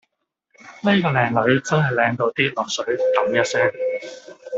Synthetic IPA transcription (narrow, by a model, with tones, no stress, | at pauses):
ne˥jkɔː˧lɛː˨ŋlɵ˨˥ɥt͡sɐ˥nɦɐ˨jlɛː˨˧ŋt̪o˧wt̪iː˥lɔː˨ksɵ˨˥ɥt̪ɐ˨˥ŋjɐ˥t̚sɛː˥ŋ